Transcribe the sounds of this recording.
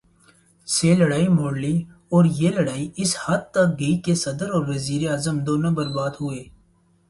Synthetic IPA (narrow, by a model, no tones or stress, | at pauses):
seːlɐɽaːimoːɽli | ɔːɾjelɐɽaːiɪshat̪̚t̪ɐk̚ɡɐikesɐd̪əɾɔːɾʋɐziːɾeaːzəmd̪oːnõbəɾbaːd̪ɦʊeː